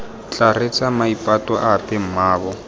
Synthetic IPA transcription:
t͡ɬʼaret͡sʼamaipʼatʼɔʔapʼɛm̩maːbɔ

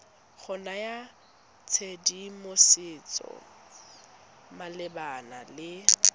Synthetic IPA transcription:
ɣʰʊnaja | t͡sʰedimosɪt͡sʼɔ̰ | malɪbanalɪ

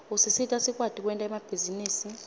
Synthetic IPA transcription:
usisitʼasik̬ʼwadʼʱik̬ʼwɛntʼaɛmab̥ʱiziniːsi

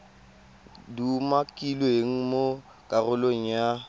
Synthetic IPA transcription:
dumakʼilɔeŋ̩mo | kʼarʊloŋ̩ja

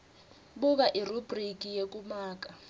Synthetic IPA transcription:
buk̬aʔirubrik̬ʼijek̬ʼumaːk̬ʼa

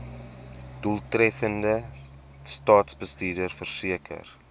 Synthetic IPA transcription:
d̥ulˠtrɛfəndə | stɑːtsbəstiːrdərfərsiəkʰə̰r

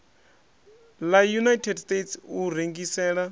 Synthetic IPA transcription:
lajunajtʰɛdstʼetsuɾeŋɡisɛːɺa

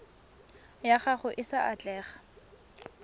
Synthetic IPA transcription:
jaχaχʊʔɪsaʔat͡ɬʼɛːχḁ

